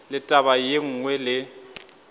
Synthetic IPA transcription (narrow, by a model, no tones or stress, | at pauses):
lɪtʼabajeŋ̩ːŋwɛlɪ